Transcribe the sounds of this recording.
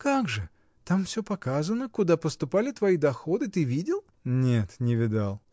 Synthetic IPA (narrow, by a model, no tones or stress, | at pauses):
kaɡʐɨ | t̪amfsʲɵpɐkazənəkʊd̪apəst̪ʊpalʲɪt̪vɐid̪ɐxo̞d̪ɨt̪ɨvʲidʲɪlˠ | nʲet̪nʲɪvʲɪd̪alˠ